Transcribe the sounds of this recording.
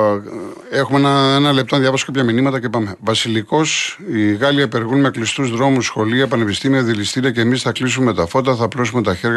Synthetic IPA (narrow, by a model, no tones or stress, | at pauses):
e̞xumeenɐenɐlept̪oðʝɐvɐso̥kɐpʰʲçɐminimɐt̪ɐcepɐme̞vɐsiliko̞siɣɐliɐpe̞ɾɣunmeklist̪uzðɾo̞musxo̞liɐepɐne̞pist̪imiɐðilist̪iɾiɐce̞ːmisθɐklisume̞t̪ɐfo̞t̪ɐθɐplos̬ume̞t̪ɐçe̞ɾʝ